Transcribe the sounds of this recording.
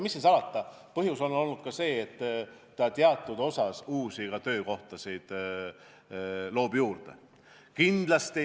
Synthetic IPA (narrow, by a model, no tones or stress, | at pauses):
misːisɑlɑt̪ːˑɑ | pɤɦjuso̞no̞lnːud̪̥kɑse̞ːet̪ː | ɑt̪eɑt̪ːˑud̪̥o̞sɑsuːsiɡ̥ɑt̪ø̞ːko̞ht̪ɑsijd̪̥ | lo̞ːb̥juːrd̪̥e̞̰ | kind̪̥lɑst̪i